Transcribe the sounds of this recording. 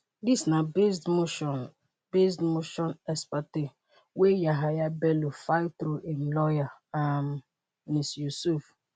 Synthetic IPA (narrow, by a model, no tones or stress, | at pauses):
disnabesdmoʃɔn | besdmoʃɔ̃nɛspate | wejaɦajabɛlofat̪ɾuʔelɔjaam | nisjusuf